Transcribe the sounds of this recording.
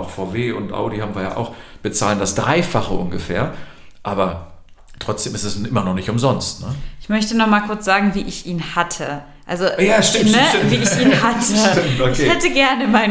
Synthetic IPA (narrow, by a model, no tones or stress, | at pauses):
ʊxfaʊveːʊntʔa̰ʊdihaːbm̩viːɐja̰ːʔaʊxb̥ət͡saːləndasd̥ʁaɪfaχəʔʊnɡəfḛːɐ | ʔaːbɐ | tʁ̥ɔt͡sd̥eːmɪstɛsʔɪmɐnɔχnɪçtʊmzɔnstnəʔɪçmœçtənɔχmaːlkʰʊɐt͡sz̥aːɡŋ̩viːʔɪçʔiːnhatʰə | ʔalzojaːsʃtɪnətɪmviːɪçiːnhatʰəɪmtokɪçeːhɛtəɡɛɐnəmaɪn